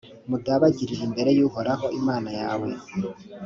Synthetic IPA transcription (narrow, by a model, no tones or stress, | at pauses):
mudaβaɟiɾiɾimbe̞ɾe̞juɦoɾaɦo̞imaːnajaːwe̞